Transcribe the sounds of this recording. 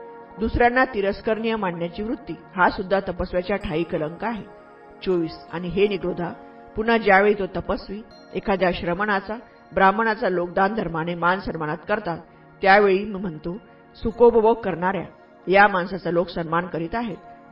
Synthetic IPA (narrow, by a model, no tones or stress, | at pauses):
d̪usɾjanːat̪iɾəskəɾɳijəmaɳːjat͡ɕiːʋɾut̪ːiːhasud̪ʱːat̪əpəsʋjat͡ɕjaʈʰaiːkələŋkaɦe | t͡soʋiːsa̰ɽ̃iɦeniɡɾod̪ʱa | pun̤əd͡ʑjaʋeɭiːt̪ot̪əpəsʋiː | ekʰad̪jaɕɾəməɳat͡sa | bɾaməɳat͡salok̚d̪and̪ʱəɾmañemansənmənat̪kəɾt̪at̪ː | jaʋeɭiːmiːm̤əɳt̪o | sukobəʋəɡ̚kəɾɳaɾja̰ | jamansat͡saloksənmankəɾiːt̪aɦet̪